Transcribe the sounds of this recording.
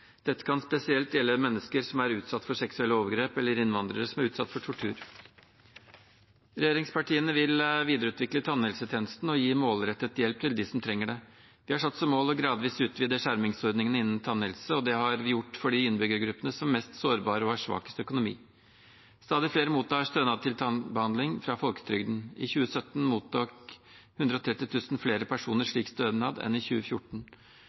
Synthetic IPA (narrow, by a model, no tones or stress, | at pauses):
d̪̥ɛt̪ːə̥kʰɑnspɛsɪɛlt̪jɛlːəmɛnːəskəɾsɔmæɾʉːt̪sɑt̪ːfɔʂɛksʉɛlːəɔːʋəɾɡɾeːpɛlːəɾɪnʋɑnd̪ɾəɾəsɔmæɾʉːt̪sɑ̰t̪ːfɔʈʰʊʈʰʉ̰ːɾ | ɾɛjeːɾɪŋspʰɑʈiːənəʋɪlʋiːd̪əɾʉːt̪ʋɪklət̪ʰɑnːɛlsət̪ʰeːnəst̪n̩ɔjiːmoːlɾɛt̪ːət̪jɛlp̚t̪ʰɪld̪ɪsɔmt̪ʰɾɛŋːəɖɛ | ʋɪhɑʂɑt̪ːsɔmoːlɔɡɾɑːd̪ʋiːsʉːt̪ʰʋiːd̪əʂæɾmɪŋsɔɾd̪nɪŋənəɪnːnt̪ʰɑnɛlsəɔd̪ɛhɑɾʋɪjʊʈːfɔɖɪɪnːəbʏɡəɾɡɾʉpːənəsɔmmːɛst̪soːɾbɑːɾəɔæʂʋɑ̰ːkə̥st̪əœkʊnʊmḭː | st̪ɑːd̪ɪfleːɾəmuːt̪ːɑːst̪øːnɑːd̪̚t̪ʰɪlt̪ʰɑnbəhɑnd̪lɪŋfɾɑfɔlkə̥t̪ʰɾʏɡd̪n̩ɪ̰çʉːəsœt̪ːnmuːt̪ʰɑːkhʉnd̪ɾəɔt̪ʰɾɛt̪ːɪt̪ʰʉːsnfleːɾəpʰæʂuːnəɾʂɭiːkst̪øːnɑːd̪ɛ̰nɪçʉːəfjʊʈɳ̩